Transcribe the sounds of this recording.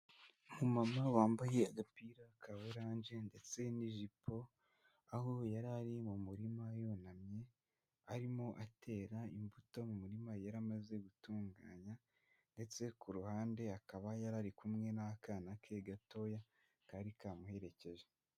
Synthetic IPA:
mumamaβaːmbuje̞ɡapiːɾakʰaweɾaːɲʒe̞nde̞t͡se̞niʒipʰo̞ | aɦojaɾaɾimumuɾimajo̞namɲe̞ | aɾimo̞ʔatʰe̞ːɾaimbuto̞mumuɾimajaɾamaze̞ɡutuːŋɡa̰ːɲa | nde̞t͡se̞kuɾuhaːnde̞akaβajaɾaɾikumŋe̞nakaːnakʰe̞ɡato̞ja | kaɾikaːmuhe̞ɾe̞ce̞ʒe

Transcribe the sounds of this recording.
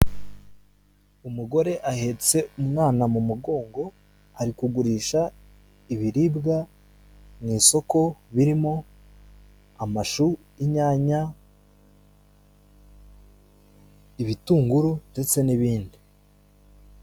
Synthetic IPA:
umuɡo̞ɾe̞ʔahe̞t͡se̞umŋaːnamumuɡo̞ːŋɡo̞ | haɾikuɡuɾiːʃa | iβiɾiːbɡa | mŋiːso̞ko̞βiɾimo̞ | amaʃu | iɲaːɲa | iβituːŋɡuɾunde̞t͡se̞niβiːndi

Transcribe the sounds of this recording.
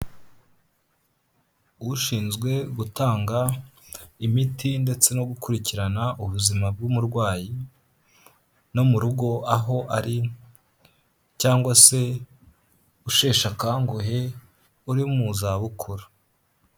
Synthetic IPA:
uʃiːnzɡwe̞ɡutaːŋɡa | imitinde̞t͡se̞no̞ɡukuɾiciɾanaʔuβuzimab̚ɡumuɾɡwaːji | no̞muɾuɡo̞aɦo̞ʔaɾi | caːŋɡwase̞ | uʃe̞ːʃakaːŋɡoɦe̞ | uɾiumuzaβukʰoɾḁ

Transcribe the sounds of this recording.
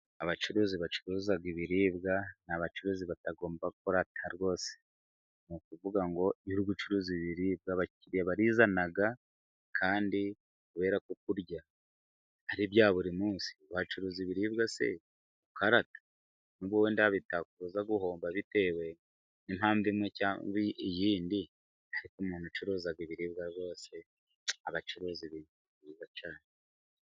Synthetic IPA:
aβat͡ʃuɾuːziβat͡ʃuɾuːzaɡiβiɾiːbɡanaβat͡ʃuɾuːziβataɡo̞ːmbaɡukoɾatʰaɾɡo̞ːse̥ | nukuvuɡaŋɡo̞uɾuɡut͡ʃuɾuːziβiɾiːb̚ɡaβaciɾijaβaɾizanaɡa | kʰaːndi | kuβe̞ːɾakuk̚uɾɟa | haɾibjaːβuɾimuːnsi̥aβat͡ʃuɾuːziβiɾiːbɡase̞̰ | ukaɾatḁ | nuβwowendaaβitakuɾuzaɡuho̞ːmbaβite̞ːwe̞ | nimhaːɱvimwecaviijiːndi | haɾikumuːnut͡ʃuɾuzaɡiβiɾiːbɡaɾβo̞ːse̞ | aβat͡ʃuɾuːziβinuiβiːzat͡ʃaːne

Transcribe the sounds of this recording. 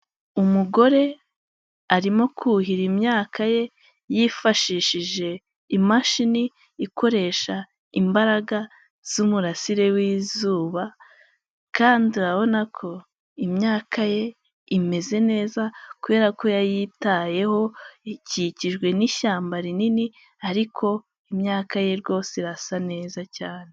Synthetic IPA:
umuɡo̞ɾe̞ | aɾimo̞kʰuɦiɾimɲaːkʰaje̞ | jifaʃiʃiʒe̞ | imaʃini | iko̞ɾe̞ʃa | imbaɾaɡa | z̥umuɾasiɾe̞wiːzuːβa | kaːndiuɾaβo̞nakʰo̞ | imɲaːkaje̞ | ime̞ze̞ne̞ːzakuβe̞ːɾako̞jajitaje̞ho̞iciciʒɡwe̞niʃaːmbaɾinini | aɾikʰo̞ | imɲaːkaje̞ɾɡo̞ːseɾasane̞ːzacaːne

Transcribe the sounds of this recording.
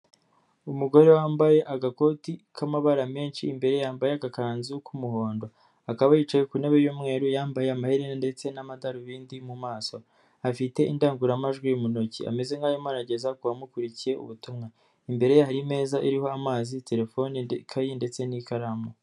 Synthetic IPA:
umuɡo̞ɾe̞waːmbaje̞ʔaɡako̞tikʰamaβaɾame̞ːnʃiːmbe̞ɾe̞jaːmbajeaɡakaːnzukʰumuho̞ːndo̞ | akaβajit͡ʃajekunaβejomŋe̞ːɾujaːmbaje̞amahiɾende̞t͡se̞namadaɾuβiːndimumaːso̞ | afite̞ʔindaːŋɡuɾamaʒɡwimunocia̰me̞ze̞ŋɡaːjomaɾaɟe̞zakuβamukuɾicije̞ṵβutumŋa | imbe̞ɾe̞jahaɾime̞ːzaʔiɾiho̞amaːzite̞ɾe̞fo̞nikʰajinde̞t͡se̞nikaɾamo

